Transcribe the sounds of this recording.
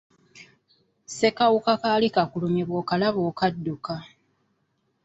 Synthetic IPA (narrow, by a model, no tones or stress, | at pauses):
se̞kawukakaːlikakulumiβwoːkalaβoːkadːuka